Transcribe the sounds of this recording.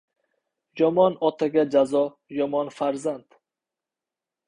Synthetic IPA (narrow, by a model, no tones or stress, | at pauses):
jɒmɒnɒt̪ʰaɡʲad͡ʒazɒ | jɒmɒnfaɾzand̪̥